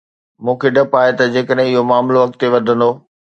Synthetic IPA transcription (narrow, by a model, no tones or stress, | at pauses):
mũːkʰeɖɐpaːet̪ɐd͡ʑeːkəɗɦɪ̃ɪɦomaːmloʋɐk̚t̪ːeʋɐd̪ʱə̃nd̪oː